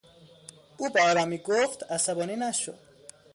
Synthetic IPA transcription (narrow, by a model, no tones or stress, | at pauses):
ʔuːbæɒːɾɒːmiːɡoft̪æsæbɒːniːnæʃo̰d̪̥